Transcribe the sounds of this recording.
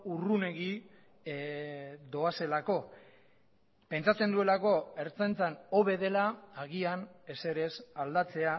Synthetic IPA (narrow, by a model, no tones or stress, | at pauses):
urune̞ɣi | d̪o̞ase̞lako̞ | pe̞nt͡sat͡se̞nd̪ue̞lako̞e̞ɾt͡sant͡sano̞βe̞ð̞e̞laaɣ̞iane̞se̞ɾe̞sald̪at͡se̞a